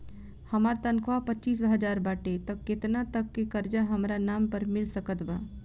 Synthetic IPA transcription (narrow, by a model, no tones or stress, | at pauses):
həmaːɾt̪ə̃nkʰʋapətːt͡ʃiːs̬bəɦəd͡ʒaːɾbaːʈet̪əkːɪt̪nat̪əkːekəɾd͡ʒaɦəmɾanaːmpəɾmɪlsəkət̪ba